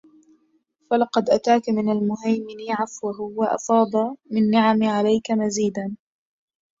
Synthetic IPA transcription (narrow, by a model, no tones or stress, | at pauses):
falɑqɑd̪ʔat̪aːkamɪnalmʊɦajmɪniʕafwaɦʊwaʔɑ̰fɑːd̪ˤɑmɪnːɪʕamʕalajkamaziːd̪an